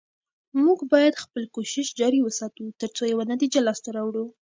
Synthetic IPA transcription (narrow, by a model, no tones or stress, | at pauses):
muɡbɑjad̪xpəlkoʃɪʃd͡ʒɑɾiwəsɑt̪ut̪əɾt͡sojawanat̪id͡ʒalɑst̪aɾɑwɽu